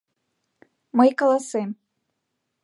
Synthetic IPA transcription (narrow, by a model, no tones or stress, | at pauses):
mɤjkolˠɑsem